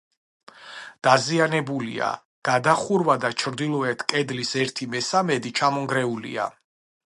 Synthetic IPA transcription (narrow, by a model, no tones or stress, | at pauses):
d̪̥azianɛbulḭa̰ | ɡ̥ad̪aχuɾvad̪at͡ʃʰɾd̪ilˠɔɛt̪ʰkʼɛd̪lisɛɾt̪ʰimɛsamɛd̪it͡ʃʰamɔŋɡɾɛulḭa̰